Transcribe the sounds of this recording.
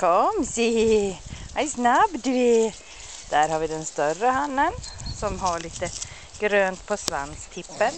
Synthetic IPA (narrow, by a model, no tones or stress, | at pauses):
kʰɔmsi | haɪsnabd̪ɪ | d̪̥æːɾhɑɾʋɪd̪ɛnst̪œɾəhanːənsɔmɦɑɭiːt̪ə | ɡ̥ɾøːnt̪pʰɔsʋa̰nst̪ʰɪpːəɾ